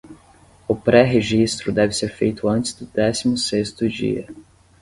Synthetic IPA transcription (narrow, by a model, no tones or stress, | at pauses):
ʊpɾɛɦeʒist̪ɾʊd̪ɛvɪseɾfejt̪ʊɐ̃nt͡ʃɪzd̪ʊd̪ɛsimʊsest̪ʊd͡ʒḭɐ̰